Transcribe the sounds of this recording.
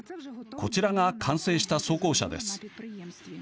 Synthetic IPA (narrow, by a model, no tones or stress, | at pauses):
kʰo̞t͡ɕiɾaŋakʰãɰ̃se̞ːɕi̥t̪aso̞ːko̞ːɕa̰d̪ḛsɨ̥